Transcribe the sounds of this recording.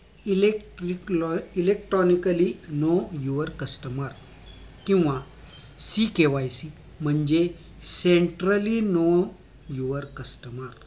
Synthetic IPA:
ilekʈɾikilekʈɾɔnikəlinojuʋəɾkəsʈəməɾ | kĩw̃ʋa | sikeʋajsi | m̤əɳd͡ʑe | seɳʈɾəlino | juʋəɾkəsʈəməɾ

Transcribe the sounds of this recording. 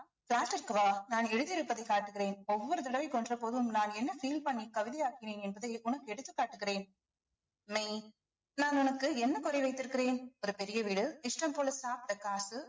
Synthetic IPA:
flaːsʈːɪɾɯkːɯʋaːnaːnɛɽɯðɪɾɯpːɐðɐɪkːaːʈːɯɣɪreːnɔʋːɔɾɯt̪ɐɽɐʋɐɪkːɔndrɐpoːðɯmnaːnɛnːɐfiːlpɐɳːikɐʋɪðɐjaːkɪneːnɛnbɐðɐɪʊnɐkːɯɛɽɯt̪ːɯkːaːʈːɯɣɪreːn | mɐɪ | naːnʊnɐkːɯɛnːɐkɔɾɐɪʋɐɪt̪ːɪɾɯkːɪreːnɔɾɯpɛɾɪjɐʋiːɽɯɪʂʈɐmpoːlɐsaːpʈɐkaːsɯ

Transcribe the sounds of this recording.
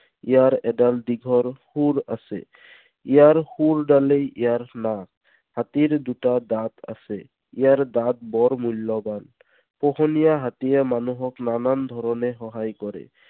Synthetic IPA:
ijaɾɛɖald̪iɡʱɔɾhuɾasɛ̰ | ijaɾhuɾɖalejijaɹnak | hat̪iɾd̪uʈad̪at̪a̰sɛ | ijaɾd̪at̪̚bɔɾmulːɔban | pɔhɔnijaɦat̪iemanuɦɔknanand̪ʱɔɾɔneɦɔɦajkɔɾɛ̰

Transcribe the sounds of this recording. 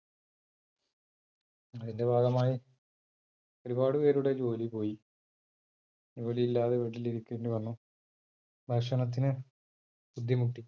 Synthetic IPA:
ɐðinde̞bʱaːɡɐmaːji | oɾubaːɽupe̞ːɾuɽe̞d͡ʑo̞ːlipo̞ːji | d͡ʑo̞ːlijilːaːðeʋeɽiliɾukʲːueɳɖuʋɐnːu | bʱɐkʂɐɳɐt̪̬ːinɨ | bud̪ʱjɐmuʈːi

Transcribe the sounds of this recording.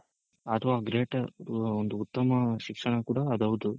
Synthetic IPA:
ɐt̪ʰɐʋaːɡɾeːʈond̪uːt̪ːɐmɐʃikʂɐɳɐkuːɽaːd̪ɐʋud̪u

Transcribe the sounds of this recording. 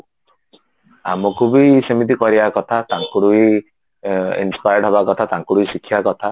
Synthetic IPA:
amɔkubisemit̪ikɔɾibakɔt̪ʰat̪aŋkuɽui | ḭnspajɖɦɔbakɔt̪ʰat̪aŋkuɽuisikʰːijakɔt̪ʰa

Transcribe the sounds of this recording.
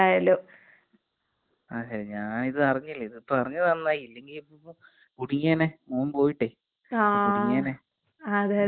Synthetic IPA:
aːjɐlːoː | aːɕɐɾiɲaːniðɨɐrɐɲːilːɐiðɨpːɐrɐɲːɐðɐnnːaːjilːe̞ŋɡilipːo | kuɽiɲːaːnemoːmpo̞ːjiʈːeː | auiɲːaːne | ɐðe

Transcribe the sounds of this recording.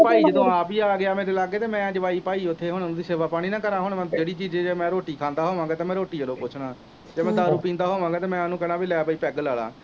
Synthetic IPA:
paːiːd͡ʒəd̪õːaːpiːaːɡɪaːmeːɾt̪eːlaːɡeːt̪eːmɛ̃ːd͡ʒəʋaːiːpaːiːʊt̪ʰːeːɦʊ̃ːd̪iːseːʋaːpaːɽ̃iːnãːkəɾaːɦoɳːmɛ̃d͡ʒeːɽiːt͡ʃiːd͡ʒeːd͡ʒeːmɛ̃ːɾoːʈiːkʰaːnd̪aːɦoːʋãːŋɡaːt̪eːmɛ̃ːɾoːʈiːd͡ʒəlõːpʊt͡ʃʰɽaː | d͡ʒeːmɛ̃ːd̪aːɾuːpĩːnd̪aːɦoːʋãːɡaːt̪eːmɛ̃ːnũːkɛːnaːbiːlɛːpaːiːpɛːɡlaːla̰ː

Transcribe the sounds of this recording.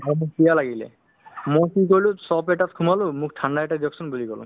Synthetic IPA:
bɔmũk̚pialaɡilḛ | mɔ̃kikojlusɔpeʈat̪̚kʰumalomũkʈʰanɖaeʈad̪iɔksɔnbulikɔlṵm

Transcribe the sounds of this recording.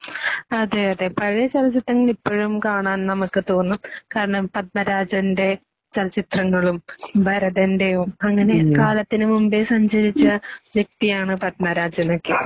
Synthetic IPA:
ɐðeɐðepɐɻijɐt͡ɕɐlɐt͡ɕːit̪rɐŋːɐɭipːoːɻumkaːɳaːnnɐmukːɨt̪o̞ːnːukaːɾɐɳɐmpɐt̪̚mɐɾaːd͡ʑɐnde̞ | t͡ɕɐlɐt͡ɕit̪rɐŋːɐɭumbʱɐɾɐðɐndejumɐŋːɐne̞kaːlɐt̪ːinɨmumbesɐɲd͡ʑɐɾit͡ɕːɐʋjek̚t̪ijaːɳɨpɐt̪̚mɐɾaːd͡ʑɐno̞kːe

